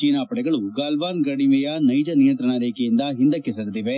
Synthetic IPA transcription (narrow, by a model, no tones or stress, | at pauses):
t͡ʃiːnaːpɐɽɛɡɐɭuɡaːlʋaːnɡɐɽimɛjɐnɐjd͡ʒɐnijɐnt̪ɾɐɳɐɾeːkejind̪ɐɦind̪ɐkːesɐɾt̪iʋe